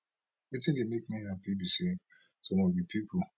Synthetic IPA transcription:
itilimek̚miapibisesomobipʰipʰu

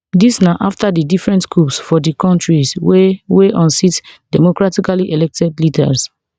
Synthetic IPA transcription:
disnaʔaftadidifɹɛ̃ntkɹupsfɔdikɔ̃ntɹisweweʔɔ̃nsitdɛmokɹatikaliʔelɛk̚tɛdlidɛ̰ls

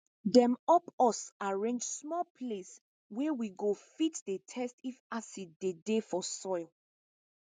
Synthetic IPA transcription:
dɛ̃mɔpɔsaɹẽnd͡ʒsmɔpʰles | wɛwiɡofitdetʰɛstifasid̚dedefɔsɔɪl

